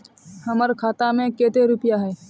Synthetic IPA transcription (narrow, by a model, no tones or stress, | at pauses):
həməɾkʰaːt̪amẽkeːt̪eɾʊpɪjaɦɛː